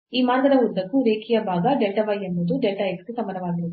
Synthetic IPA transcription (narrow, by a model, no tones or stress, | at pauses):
iːmaːɾɡɐd̪ɐuɾd̪ɐkːuɾeːkʰijɐbʱaːɡɐɖelʈɐʋɐjembɐd̪uɖelʈɐekskesɐmɐnɐʋaːɡiɾud̪u